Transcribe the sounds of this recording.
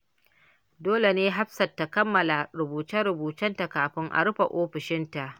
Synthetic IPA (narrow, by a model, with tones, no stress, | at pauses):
doː˦le˨neː˦ɦa˦ɸsɐ˨tːa˨kɐ˦mːɐ˨la˨ɾʊ˨buː˨tɐ˦ɾʊ˨buː˨tɐ˦nta˨kaː˨ɸɪ˦ŋʔa̰˨ɽʊ˦ɸa̰˨ʔoː˦ɸɪ˨ʃɪ˦nta˨ʔ